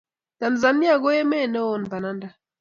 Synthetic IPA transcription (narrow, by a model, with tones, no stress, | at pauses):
ta˨nza˨ni˦a˨ɡɔ˦jɛ˦mɛ˦˨nɛ˦ɔ˦˨n˨pa˨na˦nda˨